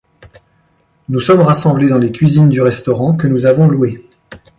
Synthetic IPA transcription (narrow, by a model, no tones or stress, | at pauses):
nusɔmʁasɑ̃bled̪ɑ̃lekʲɥizind̪yʁɛst̪ɔʁɑ̃kənuzavɔ̃luwe